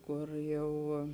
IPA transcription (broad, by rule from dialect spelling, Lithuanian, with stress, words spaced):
ˈkʊr ˈjɛʊ